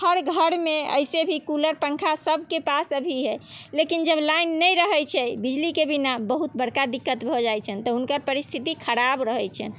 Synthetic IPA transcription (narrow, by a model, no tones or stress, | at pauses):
həɾɡʱəɽmeə̰jsebʱikuləɾpəŋkʰasəb̚ʱkepasəbʱiɦɛlekind͡ʒəblainːəjɾəɦɛt͡ʃʰɛbid͡ʒlikebinabəɦut̪bəɽkad̪ikːət̪bʱɔd͡ʒajt͡ʃʰənt̪ɔɦunkəɾpəɾist̪ʰit̪ikʰəɾabɾəɦɛt͡ʃʰə̰n